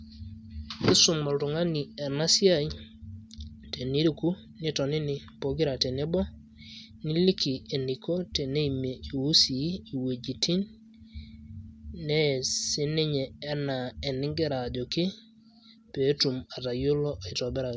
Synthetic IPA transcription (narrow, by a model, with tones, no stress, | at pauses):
i˦su˨mo˨ltu˨ŋa˦ni˨e˨na˦si˦a˦˨ji | te˨ni˦ɾi˦ku˦ | ni˦to˨ni˦ni˨ | po˨ɡi˦ɾa˨te˨ni˦bɔ˦ | ni˦li˦ki˨e˨ni˨ko˦te˨ne˦i˨me˨i˨wu˦si˨˦i˨we˨d͡ʒi˨ti˦n | e˦si˦ni˦ɲeː˨˦na˨e˨ni˦ŋɡe˦ɾa˨d͡ʒo˨ki˦ | pe˨˦tu˨ma˨ta˨jo˦lo˦ʔi˨to˨bɛ˦ɾa˨